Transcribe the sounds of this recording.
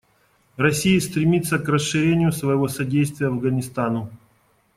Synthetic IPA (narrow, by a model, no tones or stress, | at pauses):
rɐsʲijist̪ɾʲɪmʲit̪sːəkrəsʂɨɾʲenʲɪjʊsvəjɪvo̞sɐdʲejst̪vʲɪjəɐvɡənʲɪst̪anʊ